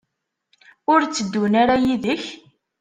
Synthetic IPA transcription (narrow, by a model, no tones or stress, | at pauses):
ʊɾt͡sːəd̪ːunaɾajiðəç